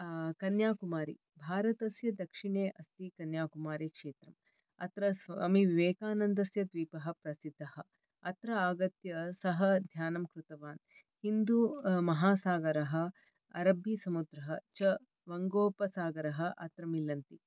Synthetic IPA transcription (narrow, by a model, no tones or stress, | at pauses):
kɐnjaːkumaːɾḭ | bʱaːɾɐt̪ɐsjɐd̪ɐkʂiɳeːʔɐst̪ikɐnjaːkumaːɾikʂeːt̪ɾɐm | ɐ̰t̪ɾɐsʋɐmiʋiʋeːkaːnɐnd̪ɐsjɐd̪ʋiːpɐɦɐ̆pɾɐsid̪ʱːɐhɐ̆ | ɐt̪ɾɐaːɡɐt̪jɐsɐɦɐd̪ʱjaːnɐmkɾut̪ɐʋaːn | hind̪umɐɦaːsaːɡɐɾɐɦɐ̆ | ɐ̰ɾɐbjisɐmud̪ɾɐɦɐt͡ʃɐ | ʋɐŋɡoːpɐsaːɡɐɾɐɦɐ̆ʔɐ̰t̪ɾɐmilɐnt̪i